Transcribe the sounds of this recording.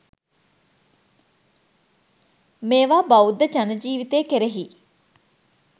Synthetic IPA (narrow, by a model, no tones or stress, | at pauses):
meːʋaːbɐud̪ːəd͡ʒɐnəd͡ʒiːʋit̪eːkeɾeɦi